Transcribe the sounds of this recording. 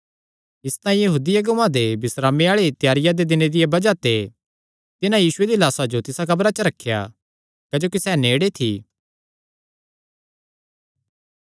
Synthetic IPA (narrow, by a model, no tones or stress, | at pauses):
ɪst̪ãːĩjɐɦuːd̪ɪjɐɡʊʋãd̪ebɪsɾaːmeaːɭet̪jaːɾɪjad̪ed̪ɪned̪ɪjebɐd͡ʒat̪e | t̪ɪnãjiːsʊed̪ilaːsad͡ʒot̪ɪsakɐbɾat͡ʃəɾɐkʰːja̰ | kɐd͡ʒoːkisɛːneːɽet̪ʰḭː